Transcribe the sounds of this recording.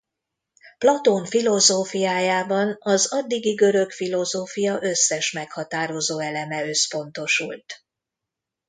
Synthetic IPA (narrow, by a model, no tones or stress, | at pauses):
plɒt̪oɱfilo̞zoːfijaːjaːbɒnɒzɒd̪ːiɡiɡø̞ɾø̞kfilo̞zoːfijɒʔø̞sːɛʃmɛkhɒt̪aːɾo̞zoːɛlɛmɛø̞spo̞n̪t̪o̞ʃult̪